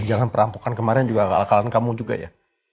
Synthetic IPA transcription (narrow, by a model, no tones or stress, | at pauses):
ɲd͡ʒaŋanpəɾampukankəmaɾɛnd͡ʒuɡaka̰lakalankamud͡ʒuɡa̰ja̰